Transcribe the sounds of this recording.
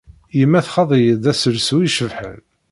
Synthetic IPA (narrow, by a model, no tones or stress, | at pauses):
jəmːæθχɑðˤijəd̪æsəlsuiʃəvħə̰n